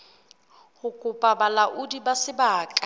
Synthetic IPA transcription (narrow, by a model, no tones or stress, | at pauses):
hʊkʼʊpʼabalaʔʊdibasɪbaːkʼa